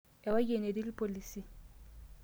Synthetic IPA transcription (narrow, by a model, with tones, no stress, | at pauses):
ɛ˨wa˦kʼe˨ne˨di˦li˦pʼo˨liːsi˨